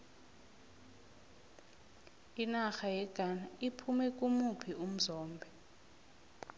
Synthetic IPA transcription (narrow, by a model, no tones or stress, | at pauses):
inaxajɛɡ̥ʱanaipʰumɛk̬ʼumupʰium̩zɔːmbʱɛ